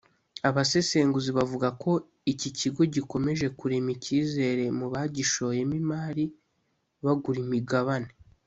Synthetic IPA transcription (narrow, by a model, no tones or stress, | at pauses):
aβase̞se̞ːŋɡuziβavuɡako̞ | iciciɡo̞ɟiko̞me̞ʒe̞kuɾe̞miciːze̞ɾe̞muβaɟiʃo̞je̞mimaːɾi | βaɡuɾimiɡaβane